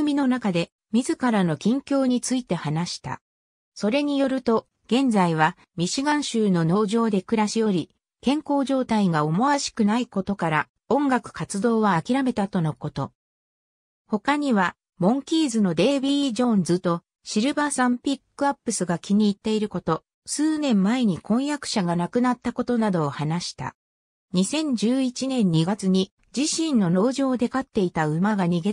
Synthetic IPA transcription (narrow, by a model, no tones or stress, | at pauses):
ɯmʲino̞nakad̪e̞ | mʲizɨkaɾano̞kʲĩŋkʲo̞ːɲ̟it͡sɨit̪e̞hanaɕi̥t̪a̰ | so̞ɾe̞ɲ̟ijo̞ɾɯ̟t̪o̞ | ɡ̥ẽ̞nd͡zaiβ̞a | mʲiɕiɡãɰ̃ɕɨːno̞no̞ːʑo̞ːd̪e̞kɯ̟ɾaɕijo̞ɾʲi | kẽ̞ŋko̞ːʑo̞ːt̪aiɡao̞moβaɕi̥kɯ̟naiko̞t̪o̞kaɾa | õ̞ŋɡakɯ̟̥kat͡sɨd̪o̞ːβaːkʲiɾame̞t̪at̪o̞no̞kot̪o̞ | ho̞kaɲ̟iβa | mõ̞ŋkʲiːzɨno̞d̪e̞ːbʲid͡ʑõ̞nd͡zɨt̪o̞ | ɕiɾɯ̟basãmpʲikːɯ̟apːɯ̟sɨɡakʲiɲ̟iːt̪ːe̞iɾɯ̟ko̞t̪o̞ | sɨːnẽ̞mːae̞ɲ̟ikõ̞ɰ̃jakɯ̟̥ɕaɡanakɯ̟nat̪ːako̞t̪o̞nad̪o̞ːhanaɕi̥t̪a̰ | ɲ̟isẽ̞ɲ̟d͡ʑɨːit͡ɕinẽ̞ɲ̟ːiɡat͡sɨɲ̟i | d͡ʑiɕĩnːo̞no̞ːʑoːd̪e̞kat̪ːe̞it̪aɯ̟maɡaɲ̟iɡe̞